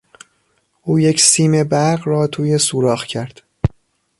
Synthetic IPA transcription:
ʔuːjecʰsiːme̞bæɾɢrɒːt̪ʰuːjesuːɾɒːxcʰæɾd̪̥

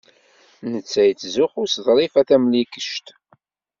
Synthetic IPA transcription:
nət͡sːæjət͡sːzʊħʊɾsðˤɾˤifæθæmlikə̥ʃt̪

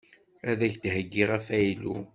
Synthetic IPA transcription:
æðæçd̪ɦəɡːiʁæfæjlṵ

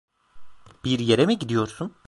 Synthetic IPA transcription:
b̥iɾjeɾemiɟid̪ijo̞ɾsun

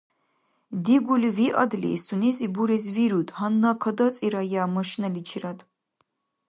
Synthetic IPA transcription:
d̪iɡʷuliviʔa̰d̪lḭstʰunezibuɾezviɾud̪ʼhanːakʰɐd̪at͡sʼiɾajaːmɐʃnɐlit͡ʃʰiratʰʼ

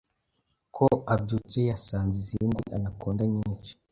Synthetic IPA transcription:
kʰoabɟuːt͡sejasaːnziziːndiʔa̰nakuːndaɲiːnt͡ʃi̥

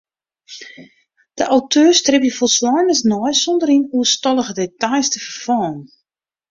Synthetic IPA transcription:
d̥əʔawtʰøːrstrɪpjəfɔlˠslɔjnəsnɔjsɔndərinuəstɔlˠəɣədetajstəfərfɔːn

